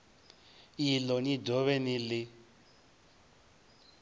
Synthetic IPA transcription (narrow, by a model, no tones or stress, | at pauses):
ilɔnidʱɔβɛnilɪ